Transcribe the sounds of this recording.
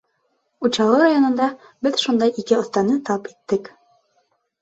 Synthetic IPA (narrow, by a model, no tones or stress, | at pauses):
ut͡ɕɑlˠɤɾajonɤ̆nd̪ɑ | bɘðʃund̪ɑjikɘŏθt̪ɑnɤt̪ɑpi̥t̪ːɘk